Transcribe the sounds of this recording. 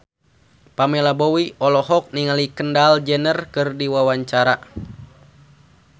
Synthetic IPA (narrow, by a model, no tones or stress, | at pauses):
pamɛlabowiɔlɔɦɔk̚niŋalikəndald͡ʒɛnərkɨrdiwawaɲt͡ʃaɾa